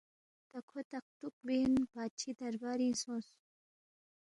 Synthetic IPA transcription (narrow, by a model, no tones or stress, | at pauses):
t̪akʰot̪aq̚t̪uk̚benb̥aːt͡ʃʰid̪ɐɾbaɾinsos